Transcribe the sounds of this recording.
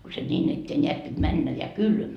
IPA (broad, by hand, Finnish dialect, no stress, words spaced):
ko se nʲiːn etːeː nʲeæt pit mænːæ jɑ kylmæ